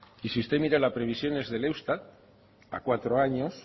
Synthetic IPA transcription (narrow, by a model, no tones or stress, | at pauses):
isiust̪emiɾalapɾeβ̞isjo̞nezðelewst̪at̪ | a̰kwat̪ɾoaɲos